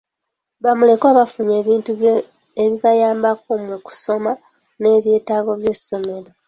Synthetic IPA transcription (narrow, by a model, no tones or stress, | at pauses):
βamule̞koaːβafuɲe̞ːβiːntuβjo | eβiβajaːmbak̚omwuku̥so̞ma | ne̞ːβje̞ːtaːɡo̞βje̞sːo̞me̞ɾo̞